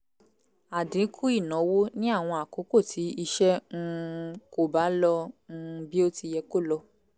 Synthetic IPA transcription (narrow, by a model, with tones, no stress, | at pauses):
a˨dĩ˨˦kʰu˦i˦˨nɔ̃˨˦wo˦nĩ˦a˦˨w̃ɔ̃˧a˨ko˨˦ko˦˨tʰi˨˦i˧ʃɛ˦ŋ̩˦˧ko˦˨ba˨˦lɔ˧ŋ̩˧bi˦o˦ti˧jɛ˧ko˦˨lɔ˧